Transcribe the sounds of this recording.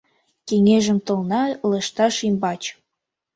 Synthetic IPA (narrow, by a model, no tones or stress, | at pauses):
keŋeʒə̆mt̪ɤ̆lnɑləʃt̪ɑʃimbɑt͡ɕ